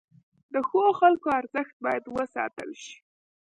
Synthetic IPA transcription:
d̪əxoxalkoaɾzəxt̪̚bɑjad̪wəsɑ̰t̪ə̰lʃi̥

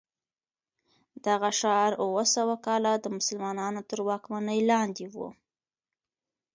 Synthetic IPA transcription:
d̪̥aɣaʃɑɾuwəsawakɑlad̪əmʊsəlmɑnɑnot̪əɾwɑkmanəjlɑnd̪iwṵ

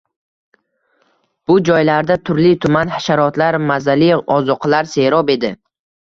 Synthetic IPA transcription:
b̥ʊd͡ʒɒjlaɾd̪at̪ʰʊɾlɪt̪ʰʊmanhaʃaɾɒt̪laɾmazaliɒzɒqʰlaɾse̞ɾɒbe̞d̪ɪ

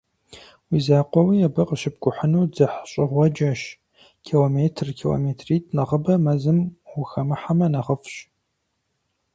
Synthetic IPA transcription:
wizaːqʷɔwijɛbɐqəʃɪp̚ɡʷʼʊħənuːd͡zɨħɕʼɪʁʷɔd͡ʒɐʃ | kʰiloːmeːtʰrkʰilo̰meːtʰriːtʰʼnɐʁəbɐmɐzɨmwʊxɐmɨħamɐnɐʁəfɕ

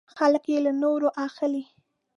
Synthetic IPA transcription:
xaləkjelanoɾoʔaxəli

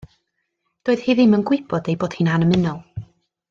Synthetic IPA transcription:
d̥oːɨð̥hiːðimənɡwɪb̥ɔdejboːd̥hiːnhanəmɪnɔlˠ

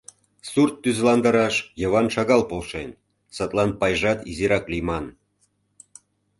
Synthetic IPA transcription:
surt̪ːyzlɑnd̪əɾɑʃjə̆βɑnʃɑɣɑlpolʃen | sət̪lˠɑnpɑjʒɑt̪iziɾɑklimɑn

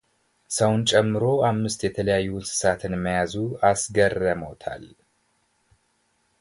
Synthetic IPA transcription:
səwnt͡ʃʼɛmːɨɾo̞amːɨst̪jɛt̪ʰələjajːusɨ̥sat̪ʰɨnmːəjazuasɡərəmət̪ʰa̰l

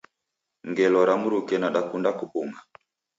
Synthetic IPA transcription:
ŋɡɛlɔɾamuɾukɛnaɗakundakupuŋɡa

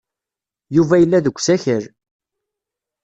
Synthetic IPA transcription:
juvæjəlːæðəɡʷːsæçəɾ

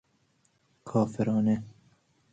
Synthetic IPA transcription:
kʰɑːfɨɾɑːnɛ

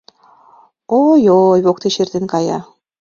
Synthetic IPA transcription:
ojojβok̚t̪eʃert̪enkɑjɑ

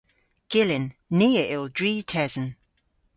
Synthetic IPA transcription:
ɡ̥ɪlɪ̃nːiːəʔɪlˠdɹiːtʰɛzə̃n

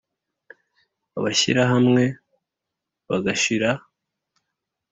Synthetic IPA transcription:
aβaçḭɾaɦamŋe̞ | βaɡaʃiɾa

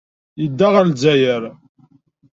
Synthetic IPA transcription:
jəd̪ːaʁaɾlzæjəɾ

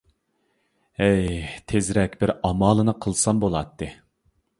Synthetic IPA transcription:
ɛjt̪ʰezɾɛkʲbɪɾɑmɑːlˠɨnɨqʰəlˠsɑmbolˠɑt̪ːɨ

